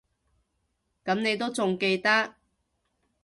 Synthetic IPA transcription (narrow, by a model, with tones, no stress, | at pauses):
kɐ˨˥mne˨˧jt̪̬o˥wt͡sʊ˨ŋke˧jt̪ɐ˥k̚